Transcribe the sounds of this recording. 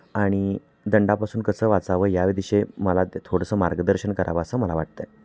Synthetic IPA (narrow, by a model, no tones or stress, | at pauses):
aɽ̃i | d̪əɳɖapasuːnkəsəːʋat͡saʋəːjaʋid̪iɕeməlat̪t̪ʰoɽəsəːmaɾɡəd̪əɾɕənkəɾʔa̰ʋasəːməlaʋaʈ̚t̪ə